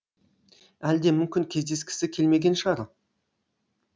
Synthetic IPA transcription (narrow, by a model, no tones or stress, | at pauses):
æld̪e̞mʏmkʲɪŋkʲʰe̞zd̪e̞skʲɪ̥sɪkʲʰe̞lme̞ɡʲe̞nʃɑɾə̰